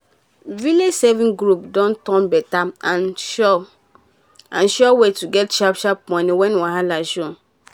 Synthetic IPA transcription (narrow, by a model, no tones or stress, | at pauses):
vilesɛvĩŋɡɾupdɔ̃ntɔ̃nbɛtaãnʃɔ | ãnʃɔwetuɡɛtt͡ʃapʃap̚mɔ̃niwɛ̃nwaɦalaʒõ